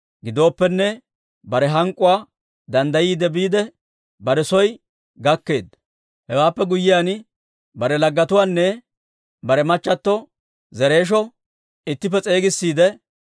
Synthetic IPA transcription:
ɡɪd̪o̞ːpːɛnːɛ | bɐɾɛɦɐŋkʼːʊwaː | d̪ɐnd̪ɐjiːd̪ɛbiːd̪ɛ | bɐɾɛsɔj | ɡɐkːe̞ːd̪ɐ | hɛwaːpːɛɡʊjːɪjan | bɐɾɛlɐɡːɐt̪ʊwaːnːɛ | bɐɾɛmɐt͡ʃːɐt̪ːɔ | zɛɾe̞ːʃ̬ɔ | ɪt̪ːɪp̬ːɛt͡sʼe̞ːɡɪsːiːd̪ɛ

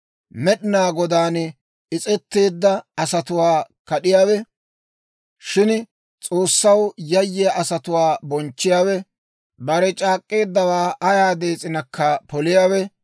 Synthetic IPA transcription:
mɛɗɪnaːɡɔd̪aːn | ɪt͡sʼɛt̪ːe̞ːd̪ːɐɐsɐt̪ʊwaːkɐɗɪjaːwɛ | ʃɪn | t͡sʼo̞ːsːɐwjɐjːɪjɐʔɐsɐt̪ʊwaːbɔnt͡ʃːɪjaːwɛ | bɐɾɛt͡ʃʼaːkʼːe̞ːd̪ːɐwaːʔɐjaːd̪e̞ːt͡sʼɪnɐkʰːɐpɔlɪjaːwɛ

